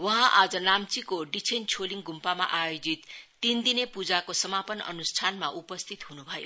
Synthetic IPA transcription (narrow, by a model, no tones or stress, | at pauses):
wʌɦãʔad͡zʌnamt͡sikoɖit͡sʰent͡sʰoliŋɡumpama̰ʔajod͡zit̪ː | ind̪inepud͡zakosʌmapʌnʌ̰nusʈʰanmaʔupʌst̪ʰit̪ɦunubʱʌjo̰